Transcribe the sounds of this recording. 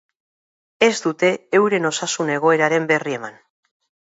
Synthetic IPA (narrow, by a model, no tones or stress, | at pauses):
e̞zd̪ut̪e̞ːwɾe̞no̞sasune̞ɣ̞o̞e̞ɾaɾe̞mbe̞rie̞man